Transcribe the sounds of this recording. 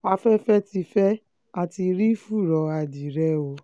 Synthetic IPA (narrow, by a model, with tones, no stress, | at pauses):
a˧fɛ˦fɛ˦ti˧fɛ˦ | a˧ti˧ɾi˦fu˦˨ɾɔ˨˦a˧di˨ɾɛ˦o˧˦